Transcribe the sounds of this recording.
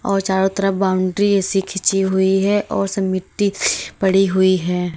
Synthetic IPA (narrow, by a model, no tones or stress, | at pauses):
ɔːɾt͡ʃaːɾõt̪əɾəbaːʊ̃ɳɖɾiesikʰɪt͡ʃiɦʊiɦɛʔɔːɾsɐmɪʈːipɐɽiɦʊiɦɛː